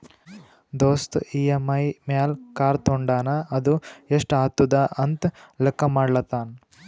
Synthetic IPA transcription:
d̪oːst̪iːɐmɐjmjaːlkaːɾt̪oɳɖaːnɐɐd̪ueʂʈaːt̪ːud̪ɐʔɐnt̪lekːɐmaːɖlɐt̪aːn

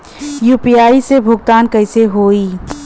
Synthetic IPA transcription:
juːpiaːisebʱʊɡ̚t̪aːnkəɪseɦoːiː

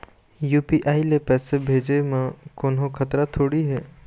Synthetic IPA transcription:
juːpiʔaːilepɛːsebʱeːd͡ʒemẽkoːnɦõkʰɐt̪ɾat̪ʰoːɽiɦɛː

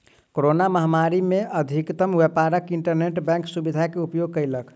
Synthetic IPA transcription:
koɾonaməɦmaɾimeəd̪ʱikt̪əmʋepaɾəkiɳʈəɾneʈbɛ̃ŋksubid̪ʱakeupjoɡ̚kəjlək

